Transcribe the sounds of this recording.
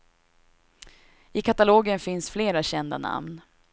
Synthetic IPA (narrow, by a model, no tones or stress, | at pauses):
ɪkʰat̪aloːɡənfɪnsfleːɾaɕɛnd̪a̰na̰mn